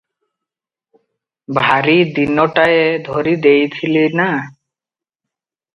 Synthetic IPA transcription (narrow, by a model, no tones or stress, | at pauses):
bʱaɾid̪inɔʈaed̪ʱɔɾid̪ejt̪ʰilina